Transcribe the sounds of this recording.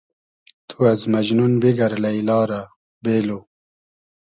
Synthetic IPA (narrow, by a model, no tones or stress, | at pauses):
t̪ʰuɐzmɐd͡ʑnunbiɡɐɾlɐilɑːɾa | beːlo